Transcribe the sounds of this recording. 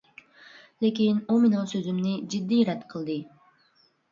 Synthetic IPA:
lekʲinominosøzymnid͡ʒid̪ːiɾɛt̪qʰəlˠd̪ɨ

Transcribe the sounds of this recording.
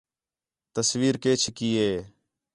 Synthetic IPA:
t̪əsʋiːɾkeːt͡ʃʰkiːeː

